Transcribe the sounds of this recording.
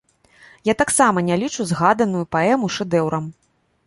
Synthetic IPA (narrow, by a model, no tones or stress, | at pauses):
jat̪aksamɐnʲalʲit͡ʂuzɣad̪ɐnujupaɛmuʂɛd̪ɛwɾɐm